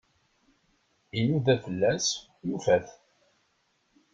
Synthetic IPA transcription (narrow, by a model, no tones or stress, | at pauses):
inuðæfəlːæs | jufæθ